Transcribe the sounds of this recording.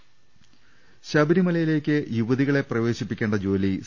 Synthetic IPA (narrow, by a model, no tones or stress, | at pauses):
ɕɐbiɾimɐlɐjile̞ːkʲːɨjuʋɐðiɣɐɭe̞prɐʋe̞ːɕipːikʲːe̞ːɳɖɐd͡ʑo̞ːli